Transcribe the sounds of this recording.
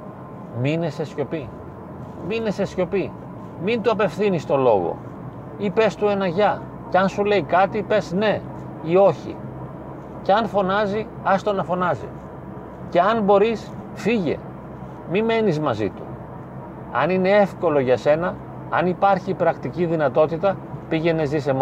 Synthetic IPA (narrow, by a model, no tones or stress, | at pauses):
mine̞se̞sço̞pi | mine̞se̞sço̞pi | mint̪uɐpe̞fθinist̪o̞lo̞̰ɣo̞̰ | ipe̞st̪ue̞nɐʝɐ | ceɐnsule̞ikɐt̪ipe̞sne̞ | io̞çḭ | ceɐnfo̞nɐzi | ɐst̪onɐfo̞nɐzḭ | ce̞ɐnbo̞ɾis | fiʝe̞̰ | mime̞nizmɐzḭt̪ṵ | ɐ̰nine̞e̞fko̞lo̞ʝɐse̞nɐ | ɐ̰nipɐɾçipɾɐkt̪iciðinɐt̪o̞t̪it̪ɐpiʝe̞nezisem